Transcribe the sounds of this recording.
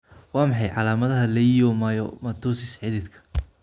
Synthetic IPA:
wɑːmɑħɑjʕɑlaːmɐðɐɦɐlɛjjɔmaːjɔ̰mɐt̪ʰuːsɪsħɪðɪd̪kʰɐ̥

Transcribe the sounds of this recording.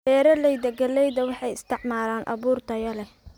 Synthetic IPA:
ɛːɾɐlɛjd̪ɐɡɐlɛjðɐwɑħɑjɪst̪ʰɪʕmaːlaːnʔɑ̰βuːrt̪ʰɐjɐlɛ

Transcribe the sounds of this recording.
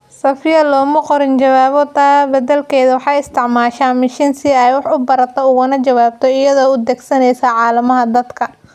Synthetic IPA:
ssɐfɪjɐlɔːmɐqɔɾɪnt͡ʃɐwaːβɔt̪ʰaːbɐd̪ɐlkʰɛːjðɐwɑħɑːjɪst̪ʰɪʕmaːʃaːnmɪʃɪnsɪɛjwɑħʊbɐɾɐt̪ʰɔʊɣʊnɐt͡ʃɐwaːb̚t̪ʰɔɪjɐðɔːʊd̪ɛːɡsɐnɛjsaːʕɑːlɐmɐɦɐd̪ɐd̪kʰɐ

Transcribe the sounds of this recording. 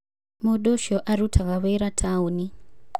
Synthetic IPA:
muɗoʃoʔaɾutʰakaβeɾatʰauni

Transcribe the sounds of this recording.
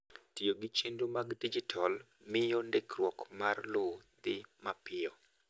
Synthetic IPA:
tioɡɪt͡ʃendomaɡdid͡ʒɪtʰal | mɪjondekrwɔkmarlod̪ɪmapɪɔ

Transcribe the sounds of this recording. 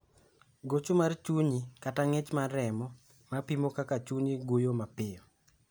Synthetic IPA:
ɡot͡ʃomart͡ʃuɲikataŋet͡ʃmaɾɛmɔ | mapimokakat͡ʃuɲiɡujomapɪjɔ

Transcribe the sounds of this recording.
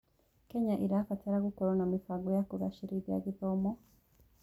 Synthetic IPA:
keɲaʔiɾafataɾaɡukoɾonamifaɡojakuɾaʃiɾida̰ɡiðomo

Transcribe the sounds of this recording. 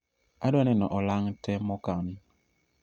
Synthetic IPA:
adanɛnɔʔɔlaŋtɛmɔkani

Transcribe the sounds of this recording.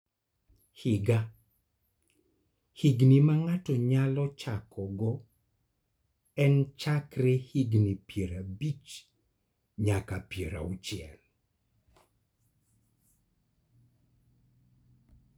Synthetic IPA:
hɪɡa | hiɡnimaŋatɔɲalɔt͡ʃakʰɔɡɔ | ɛnt͡ʃakɾehiɡnipjeɾabit͡ʃ | ɲakapjeɾa̰ut͡ʃɪɛ̰l

